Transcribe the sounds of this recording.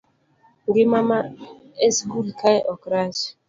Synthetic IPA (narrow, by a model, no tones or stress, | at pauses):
ŋɡɪmama | ɛskulkʰaʔɔkɾas